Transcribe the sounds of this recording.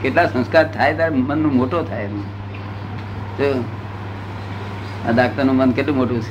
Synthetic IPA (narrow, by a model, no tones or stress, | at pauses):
keʈlasə̃nskaɾt̪ʰajt̪aɾemənːũmoʈot̪ʰajnũ | t̪o | a̰d̪akt̪anũmənkeʈlũmoʈũt͡ʃʰ